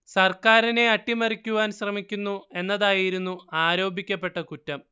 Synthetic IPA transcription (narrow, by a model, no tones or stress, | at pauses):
sɐrkaːɾine̞ɐʈːimɐrikʲːuʋaːnɕrɐmikʲːunːue̞nːɐðaːjiɾunːuaːɾo̞ːbʱikʲːɐpːe̞ʈːɐkutːɐm